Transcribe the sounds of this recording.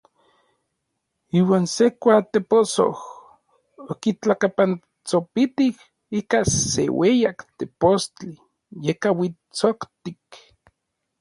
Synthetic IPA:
iːwaːnsekʷat̪eposo̰h | okit͡ɬakapan | t͡sopit̪ih | ikasḛwejakt̪epost͡ɬi | jekawit͡sokt̪ik

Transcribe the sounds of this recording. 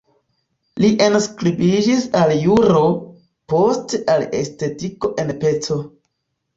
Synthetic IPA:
liʔenskɾibid͡ʒisaljuɾo̞ | po̞steʔalḛste̞tiko̞ʔe̞npe̞t͡so̞

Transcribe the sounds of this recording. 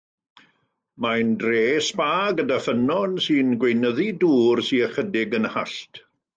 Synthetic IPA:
majndreːspaːɡədafənɔnsɨnɡwejnəðiduːrsiəχədɪɡənha̰ɬtʰ

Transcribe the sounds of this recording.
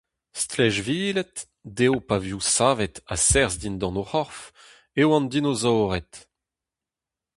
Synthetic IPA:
st̪lɛʒviːlɛt̪ | dewpavjusaːvɛt̪asɛʁzd̪ind̪ɑ̃nohɔʁf | ewɑ̃nd̪inozɔːʁɛt̪

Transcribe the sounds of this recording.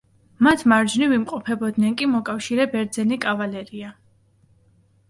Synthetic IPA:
mat̪ʰmaɾd͡ʒnivimqʼɔpʰɛbɔd̪nɛnkʼimɔkʼafʃiɾɛbɛɾd̪zɛnikʼavalɛɾia

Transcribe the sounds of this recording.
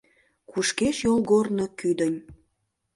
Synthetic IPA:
kuʃkeʃjolɣornəkyd̪ənʲ

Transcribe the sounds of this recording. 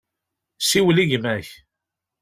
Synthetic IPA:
siwliʝmæç

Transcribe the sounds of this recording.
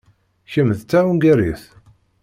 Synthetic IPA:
çəmðt͡s̪ːæunɡæɾiθ

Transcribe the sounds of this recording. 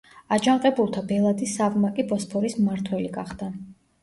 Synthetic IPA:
ad͡ʒamqʼɛbulˠt̪ʰabɛlˠad̪isːavmakʼipʼɔspʰɔɾismmaɾt̪ʰwɛliɡaχd̪̥a

